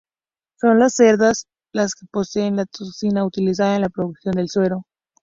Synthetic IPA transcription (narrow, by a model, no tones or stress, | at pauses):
so̞nlasːe̞ɾðas | laskepo̞se̞ːnlat̪oksinaut̪ilis̬aðaenlapɾoðuksjo̞nd̪e̞lswe̞ɾo̞